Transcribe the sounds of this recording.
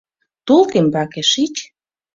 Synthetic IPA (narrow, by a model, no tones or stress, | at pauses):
t̪ulk̪embɑkeʃit͡ɕ